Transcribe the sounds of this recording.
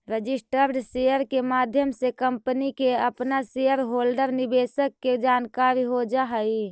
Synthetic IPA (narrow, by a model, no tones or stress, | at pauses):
ɾəd͡ʒɪsʈəɾɖsejəɾkemaːd̪ʱjəmsekəmpənikeəpnasejəɾɦoːlɖəɾnibesəkːed͡ʒaːnkaɾiɦod͡ʒaɦəi